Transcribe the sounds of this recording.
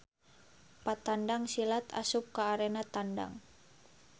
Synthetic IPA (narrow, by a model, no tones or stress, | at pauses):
pat̪andaŋsilat̪a̰sup̚kaːɾenat̪anda̰ŋ